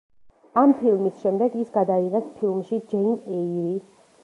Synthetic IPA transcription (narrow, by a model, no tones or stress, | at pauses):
ampʰilˠmisʃɛmd̪ɛɡisɡad̪aiʁɛspʰilˠmʃid͡ʒɛinɛiɾi